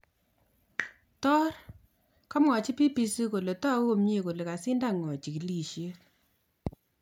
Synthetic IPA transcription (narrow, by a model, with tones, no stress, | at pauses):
tɔ˦r | kɔ˦mɔ˨t͡ʃi˦pi˦pi˦si˦ko˨le˨tɔ˦o˦mɲe˦˨ko˨le˨ka˨sɪ˦nda˦ŋɔ˨t͡ʃi˨ki˨li˨ʃje˦k